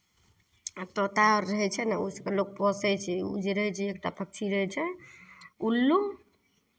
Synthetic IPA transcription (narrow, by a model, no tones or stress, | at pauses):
t̪ot̪aːəɦɛt͡ʃʰɛnaosəkelok̚pɔsɛt͡ʃʰɛṵd͡ʒiɾəɦɛt͡ʃʰɛekʈapʰək̚t͡ʃʰiɾəɦɛt͡ʃʰɛ | ulːu